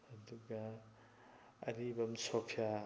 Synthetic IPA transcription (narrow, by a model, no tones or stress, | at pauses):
ɐd̪uɡa | ɾibɐmsopʰja